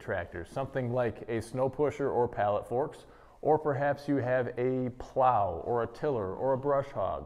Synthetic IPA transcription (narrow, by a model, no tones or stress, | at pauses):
tʰɹ̥æk̚tə̰̥˞sʌ̃mθɪ̃ŋlaɪkʰɨsnoʊpʰʊʃə˞ʔə˞pʰælˠətfɔɹks | ʔə˞pʰə˞ɦæpsjɨɨvɨpʰl̥aʊə˞ɨtʰɪlˠə˞ʔə˞əbɹʌʃhɑ̰ɡ